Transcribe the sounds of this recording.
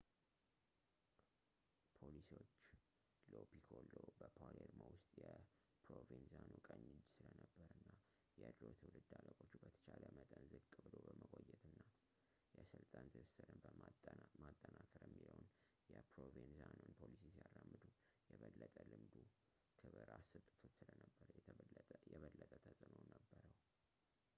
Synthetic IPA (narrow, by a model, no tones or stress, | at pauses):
pʰolisio̞t͡ʃː | lopikʰolːobəpʰoleɾmowʊst̪ʼjɛ | pʰɾovinzanokʼəɲːɪd͡ʒsɨlənəbːəɾɨnːa | jɛʔɨd̪ɾot̪ʰwlɨd̪aləkʼot͡ʃːubət̪ʰə̥t͡ʃʰaləmət̪ʼənzɨɡt̪ʼɨbɨlobəməkʼojːɛt̪ɨnːa | jɛsɨlt̪ʼant̪ʰɨsɨɾɨnbəmat̪ʼːənakʰəɾjɛmːiləwn | jɛpɾovenzanonpʰolisisijarːamːɨd̪ujɛβəlːət̪ʼəlɨmd̪u | kʰɨβɨɾasɨt̪ʼːɨt̪ʰo̞t͡ʃːsɨlənəbːəɾəjjɛβəlːət̪ʼət̪ʼəsʼɨnonəbːəɾəw